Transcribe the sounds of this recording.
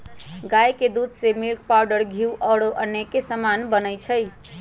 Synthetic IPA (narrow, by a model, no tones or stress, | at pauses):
ɡajked̪ud̪ʱsemilk̚paʊɖəɾɡʱiuʔɔːɽoʔənːekesəmanbənəjt͡ʃʰəj